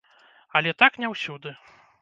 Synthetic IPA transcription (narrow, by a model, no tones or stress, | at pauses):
ɐlʲɛt̪aknʲɛwsʲud̪ɨ